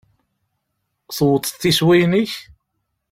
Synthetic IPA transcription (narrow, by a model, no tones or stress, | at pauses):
θwət̪ˤːθːiswijnəç